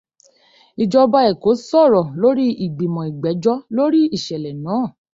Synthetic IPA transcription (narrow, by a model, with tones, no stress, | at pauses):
i˨d͡ʒɔ˧ba˧ɛ˨ko˨˦sɔ˦˨ɾɔ˨lo˦ɾi˦i˨ɡ͡bi˨mɔ̃˨i˨ɡ͡bɛ˨˦d͡ʒɔ˦lo˦ɾi˦i˦˨ʃɛ˨lɛ˨nãː˨˦˨